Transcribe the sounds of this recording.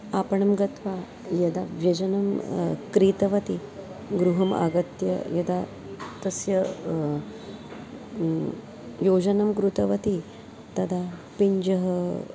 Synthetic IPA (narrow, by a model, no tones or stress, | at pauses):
apɐɳɐmɡɐt̪ʋa | jɐd̪aʋjɐd͡ʒɐnɐmkɾit̪ɐʋɐt̪iɡɾuɦɐma̰ɡɐt̪jɐ̰jɐd̪a | t̪ɐsjɐ | jod͡ʒɐnɐmɡɾut̪ɐʋɐt̪i | t̪ɐd̪apiɲd͡ʒɐɦə